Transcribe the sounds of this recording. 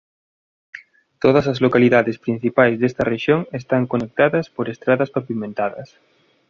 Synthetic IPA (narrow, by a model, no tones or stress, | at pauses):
t̪oð̞ɐsɐzlokaliðaðespɾin̟θipajzðest̪ɐreʃjoŋest̪aŋkonek̚t̪aðɐspoɾest̪ɾaðɐspapimẽnt̪aðɐ̰s